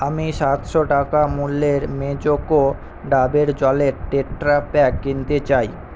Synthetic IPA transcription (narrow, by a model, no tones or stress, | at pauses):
amiʃat̪ʃoʈakamulːeɾmed͡ʑoɡo | ɖabeɾd͡ʑɔleɾʈeʈːɾapɛkːint̪et͡ɕaj